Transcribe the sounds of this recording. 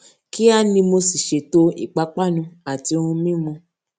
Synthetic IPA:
ki˦a˦˨nĩ˧mo˧si˨ʃe˨˦to˦ḭ˦˨k͡pa˨˦k͡pa˦˨nũ˧˦a˨ti˧o˧hũ˧mĩ˦mɔ̃˧

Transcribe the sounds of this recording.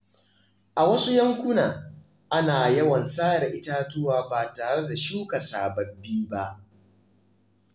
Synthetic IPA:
ʔa˨wɐ˦su˦jɐ˦ŋkʷʊ˦naː˨ | ʔa˦naː˨jɐ˦wɐ˨nsaː˦ɽa˨ʔɪ˦ta˦tʊ˦waː˦baː˨taː˨ɽe˦da˨ʃuː˦ka˨saː˨bɐ˦bːiː˦ba˦ʔ

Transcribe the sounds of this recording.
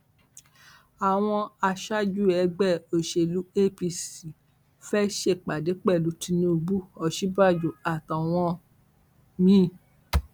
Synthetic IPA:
a˨w̃ɔ̃˧a˧ʃa˦d͡ʒu˦˨ɛ˨˧˦ɡ͡bɛ˦˨o˨ʃe˨lu˨˦e˦˨pi˧si˨ | fɛ˦ʃe˦˨k͡pa˨de˨˦k͡pɛ˦˨lu˨˦ti˧nĩ˧u˧bu˦ɔ˨ʃi˦ba˦˨d͡ʒo˨a˨ta˨w̃ɔ̃˧ | mĩ˦˨

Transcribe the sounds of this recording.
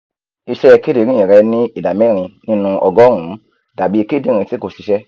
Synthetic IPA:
i˧ʃɛ˦ɛ˧ke˦de˨˦ɾĩ˦ĩ˨ɾɛ˧nĩ˦i˦˨da˨mɛ˦˨ɾ̃ĩ˧nĩ˦nũ˧ʔɔ˧ɡɔ˦ɾũ˨˦ | da˨bi˨˦e˧ke˦di˦ɾ̃ĩ˧te˦ko˨ʃi˧ʃɛ˦

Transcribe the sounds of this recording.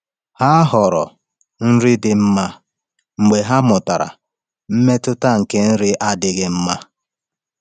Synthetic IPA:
ha˦ɦɔ˨ɾɔ̰˨ | n̩˦ɾɪ˦dɪ˨m̩˦ma˦ | ŋ͡m̩˨ɡ͡be˨ɦa˦mʊ˨ta˨ɾa̰˨ | m̩˦me˦tʊ˦ta˦ŋ̩˨ke˦n̩˦ɾɪ˦ʔa˦dɪ˨ɣɪ˦m̩˦ma˦

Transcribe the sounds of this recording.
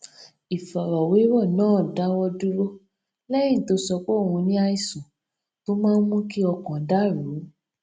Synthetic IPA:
i˨fa˨ɾɔ˨we˨˦wɔ˦˨nãː˨˦˨da˨˦wɔ˧du˦ɾo˦ | lɛ˦jĩ˦˨to˨˧˦sɔ˧k͡po˦˨wũ˧nĩ˦a˧i˧sũ˨ | to˦mãː˦n˦mũ˦ki˦ɔ˧kã˨˦da˦˨ɾu˨˦

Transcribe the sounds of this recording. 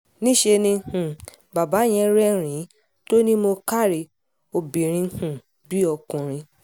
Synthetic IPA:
nĩ˦ʃe˧nĩ˧hũ˨ | ba˨ba˨˦j̃ɛ̃˧˦ɾɛ˦ɾ̃ĩ˨˦ | to˦nĩ˦mo˧ka˦˨ɾi˨ | o˧bĩ˨ɾ̃ĩ˧˦hũ˨ | bi˦ɔ˧kũ˨ɾ̃ĩ˧

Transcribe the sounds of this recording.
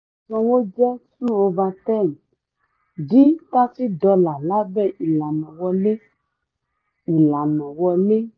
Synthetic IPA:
sɔ̃˨wo˦d͡ʒɛ˦su˦wo˨va˨t̪ɛ˦˨m | ɖi˦t̪a˦si˦d̪ɔ˨la˨la˦bɛ˦˨ʔi˨la˨nɔ̃˨wɔ˦le˦ | i˨la˨nɔ̃˨wɔ˨le˦

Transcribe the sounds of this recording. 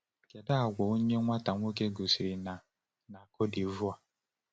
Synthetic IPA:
ke˨da˦a˨ɡʷɔ˨o˦ɲe˦ŋʷa˦ta˨ŋʷo˦k̬e˦ɡo˨si˨ɾi˨na˨ | na˨ko˦di˨vu˦a˨

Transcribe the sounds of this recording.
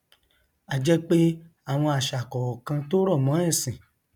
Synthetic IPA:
a˦˨d͡ʒɛ˦k͡pe˦ | a˦˨w̃ɔ̃˧a˨ʃa˨kɔ˨kã˧to˦ɾɔ˦˨mɔ̃˨˦ɛ˦˨sĩ˨

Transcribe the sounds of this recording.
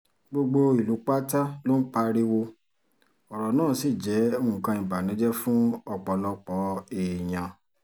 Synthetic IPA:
ɡ͡bo˧ɡ͡bo˧i˨lu˨˦k͡pa˦ta˦lo˦n̩˦k͡pa˦˧ɾi˦wo˧ | ɔ˨ɾɔ˨nãː˦˨si˦˨d͡ʒɛ˨˦o˦ũ˨kã˧ĩ˨ba˨nĩ˨˦d͡ʒɛ˦fũ˦ɔ˧˨k͡pɔ˨˧lɔ˧k͡pɔ˨˦e˨j̃ã˨

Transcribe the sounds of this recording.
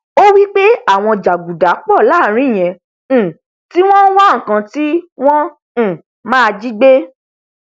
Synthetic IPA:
o˦wi˦k͡pe˦a˦˨w̃ɔ̃˧d͡ʒa˨ɡu˨da˨˦k͡pɔ˦˨la˨˦˨ɾ̃ĩ˦˨j̃ɛ̃˧˨ | ti˦w̃ɔ̃˦wa˦˨ŋ̩˨kã˧ti˦w̃ɔ̃˦˨ | mãː˦˧d͡ʒi˦ɡ͡be˦

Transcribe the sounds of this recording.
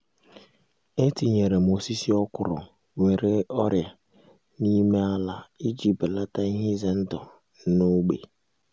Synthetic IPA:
e˦ti˨ɲe˨ɾe˨mo˨si˦si˦ɔ˦kʊ˨ɾɔ˨ | ŋʷe˨ɾe˦ɔ˦ɾja˨ | ni˦me˦a˦la˨i˦d͡ʒi˨ptla˦ta˦i˦ɦɪ˦ze˦n̩˦dɔ˨˦ | no˦ɡ͡bḛ˨

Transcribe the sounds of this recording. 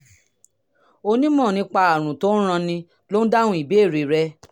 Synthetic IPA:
o˧nĩ˦mɔ̃˦˨nĩ˧˦k͡pa˧a˨ɾ̃ũ˨to˦ñ̩˦ɾ̃ã˧nĩ˧ | lo˦n̩˦da˦nũ˦i˦˨be˨˦˨ɾi˨ɾɛ˧˦

